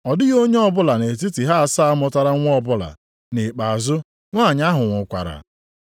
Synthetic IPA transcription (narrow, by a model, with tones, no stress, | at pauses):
ɔ˨dɪ˦ɣo˦ɲe˦ɔ˦bʊ˦la˨ne˨t̬i˦ti˨ɦa˦a˨sa˦a˦mɔ˦ta˨ɾa˦ŋʷ˦ɔ˦bʊ˦la̰˨ | ne˨k͡pa˨zʊ˦ | ŋʷa˦˨ɲa˦ɦʊ˨ŋʷʊ˨kʷa̰˨ɾa̰˨